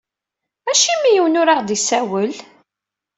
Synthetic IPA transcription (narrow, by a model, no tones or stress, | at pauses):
æʃimijəwnʊɾaʁd̪isæwəl